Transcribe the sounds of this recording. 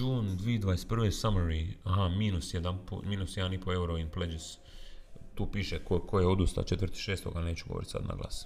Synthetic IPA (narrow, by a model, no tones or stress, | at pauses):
uːnd̪ʋiːd̪ʋaːest̪prʋesamoɾiaɦamiːnusjed̪anpo̰miːnusjed̪anipoe̞uɾoinpled͡ʒis | t̪uːpiːʃekokʰojeod̪ust̪a̰t͡ʃet̪ɾrt̪i̥ʃeːst̪o̰ɡane̞ːt͡ʃuɡo̰o̰ɾit̪sa̰d̪na̰ɡla̰s